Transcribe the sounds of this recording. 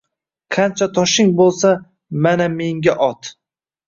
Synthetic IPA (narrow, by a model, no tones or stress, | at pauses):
qʰɑnt͡ʃʰat̪ʰɒʃɪŋbolˠsa | maname̞ŋɡʲaʔɒt̪